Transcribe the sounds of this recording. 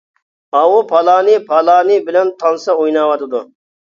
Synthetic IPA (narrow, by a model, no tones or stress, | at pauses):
ɑwupʰɑlˠɑːnipʰɑlˠɑːnibɪlɛnt̪ʰɑnsɑujnɑwɑt̪ʰɪd̪ʊ